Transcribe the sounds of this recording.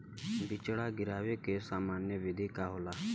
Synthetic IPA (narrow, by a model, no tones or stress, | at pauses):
bɪt͡ʃɽaːɡɪɾaːʋeːkeːsaːmaːnjəʋɪd̪ʱiːkaːɦoːlaː